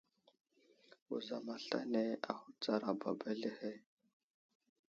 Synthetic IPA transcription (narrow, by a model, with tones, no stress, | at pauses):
ṵ˨za˨ma˨ɬa̰˦ne˦a˨hu˦t͡sa˦ɾa˨ba˨ba˦ɮi˦he˦